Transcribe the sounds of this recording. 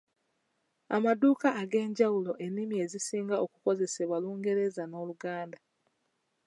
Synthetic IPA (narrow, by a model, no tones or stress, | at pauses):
a̰maduːkaːɡe̞ːɲɟawulo̞ʔe̞nːimie̞zisiːŋɡao̞kuko̞ze̞se̞βwaluːŋɡe̞ɾe̞zano̞ːluɡaːnda